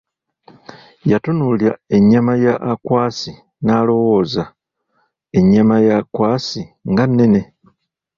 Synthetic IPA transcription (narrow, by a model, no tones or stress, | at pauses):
jatunuljae̞ɲːamajaʔːkwaːsi | naːlo̞wo̞ːza | e̞ɲːamajakwaːsiŋɡanːe̞ne̞